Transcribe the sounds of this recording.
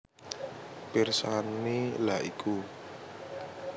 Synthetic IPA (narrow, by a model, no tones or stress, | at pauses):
pirsanilaikʰu